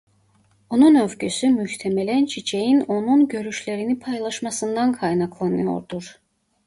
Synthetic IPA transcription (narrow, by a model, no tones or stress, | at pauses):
o̞nunø̞vɟysymyçt̪ʰemɛlænt͡ʃʰit͡ʃʰejino̞nunɟø̞ɾyʃlʲeɾinipʰɑjlˠɑʃmɑsɯnd̪ankʰɑjnɑkʰlˠɑnɯ̰jo̞̰ɾd̪uɾ̥